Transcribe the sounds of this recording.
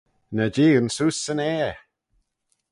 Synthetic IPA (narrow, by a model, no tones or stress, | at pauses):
nəd͡ʒiːɡənsusənɛː